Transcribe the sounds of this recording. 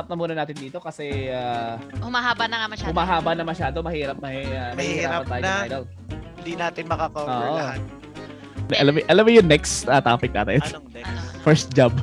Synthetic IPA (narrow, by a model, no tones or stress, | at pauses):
ɐp̚nɐmuːnɐnaːt̪ɪnd̪iːt̪o̞kɐsɛʔahʊmaɦaːbɐnɐŋamɐhʊmaːɦaːbɐnɐmɐʃaːd̪omɐhiːɾɐp̚mɐamɐhiːɪɾaːpɐnt̪aːjʔajd̪ol | d̪inaːt̪ɪnmɐkakooːʔon | ʔɐlɐmʔɐlɐmɪjʊnɛksɐt̪aːpɪk̚na̰ːt̪ɛn | fɛɹst̪̚d͡ʒab